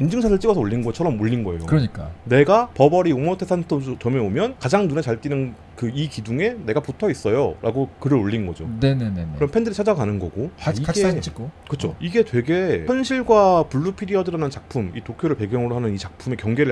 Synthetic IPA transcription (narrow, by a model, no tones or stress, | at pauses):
ind͡ʑɯŋt͡ɕʰaɾɯɭt͡ɕ͈iɡʌsʰʌoʎːinɡʌt͡ɕʰʌɾʌmoɭːinɡʌe̞̰jo̰kɯɾʌɲik͈a̰ne̞ɡapʌbʌɾiomʌtʰesʰantʰod͡ʑut͡ɕʌme̞omjʌnkad͡ʑaŋnunet͡ɕaɭt͈inɯn | kɯikiduŋe̞ne̞ɡaputʰʌis͈ʌjo̰ɾʔa̰ɡokɯɾɯɾoʎːinnɡʌd͡ʑo̰neneneneɯɾʌmpʰe̞ndɯɾit͡ɕʰad͡ʑaɡanɯnɡʌɡoiɡet͡ɕʰik͈okɯt͡ɕʰoiɡe̞twe̞ɡe̞jʌnɕʰiɭɡwapuɭːupʰiɾiʌdɯɾanɯnt͡ɕak̚pʰumitokʰjoɾɯɭpe̞ɡjʌŋɯɾoɦanɯnit͡ɕak̚pʰume̞kjʌŋɡe̞ɾɯɭ